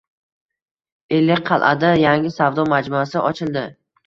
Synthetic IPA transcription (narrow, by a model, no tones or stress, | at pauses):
elːɪkʲqʰɑlˠʔa̰d̪ajaŋʲɪsavd̪ɒmad͡ʒmʊasɪʔɒt͡ʃʰɪlˠd̪ɪ